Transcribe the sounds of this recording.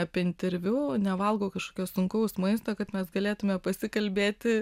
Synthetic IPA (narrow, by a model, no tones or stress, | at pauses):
ɐpʲiɛɪnʲt̪ʲɛɾʲʋʲunʲɛʋɐlˠɡoːkɐʃkoːkʲoːssʊŋkɐʊsmɐɪst̪oːkɐt̪mʲɛsɡɐlʲeːt̪ʊmʲɛpɐsʲɪkɐlʲbʲeːt̪ʲɪ